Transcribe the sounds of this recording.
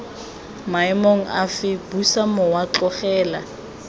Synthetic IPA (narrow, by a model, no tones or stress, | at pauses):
maɪmoŋ̩a̰fɪbusamʊwat͡ɬɔχɛːla